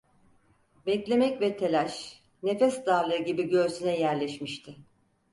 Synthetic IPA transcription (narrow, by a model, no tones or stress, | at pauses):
bɛclʲe̞mɛcvɛt̪ʰelʲæʃ | ne̞fɛsd̪aːlˠɯɟibiɟø̞ɾsynɛjæɾlʲɛʃmiʃt̪ʰɪ